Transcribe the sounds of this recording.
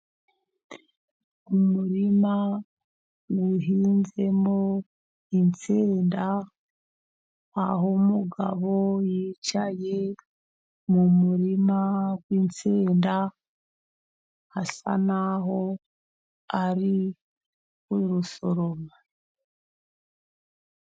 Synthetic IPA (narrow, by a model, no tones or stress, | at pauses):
umuɾima | ɡiɦiːnze̞mo | int͡seːnda | ɦomuɡaβo̞jit͡ʃaje̞ | mumuɾimaɡwint͡seːnda | hasa̰naɦo̞ | aɾi | wuɾuso̞ɾoma